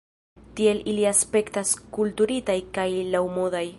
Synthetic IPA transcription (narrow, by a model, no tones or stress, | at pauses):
tie̞liliaspe̞ktaskultuɾitajkajlawmodaj